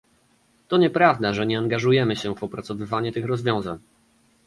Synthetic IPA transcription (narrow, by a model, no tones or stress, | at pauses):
t̪ɔɲɛpɾavd̪aʐɛɲɛaŋɡaʐujɛmɘɕɛvɔpɾat̪sɔvɘvaɲut̪ɘxɾɔzvʲjɔ̃w̃zaɲ